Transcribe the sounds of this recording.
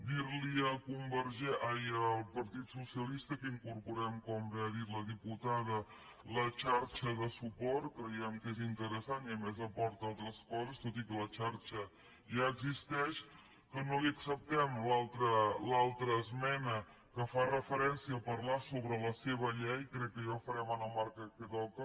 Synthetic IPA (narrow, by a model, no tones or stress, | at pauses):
d̪iɾliəkumbəɾʒɛʔajəlˠpəɾt̪it̪susiəlist̪əkəiŋkuɾpuɾɛmkɔmbɛəðiɾləðiput̪aðə | lət͡ʃaɾt͡ʃəðəsupɔɾt̪̚kɾəjɛmkezint̪əɾəsaniəmɛzəpɔɾt̪alˠt̪ɾəskɔzəst̪ot̪ikələt͡ʃaɾt͡ʃə | ʒaəɡzist̪ɛʃ | kənoliəksəp̚t̪ɛmlalˠt̪ɾəlalˠt̪ɾəːzmɛnə | kəfarəfəɾɛnsiəːpəɾlasoβɾələseβ̞əʎɛjkɾɛkːəʒafəɾɛmanəmaɾkəkət̪ɔkə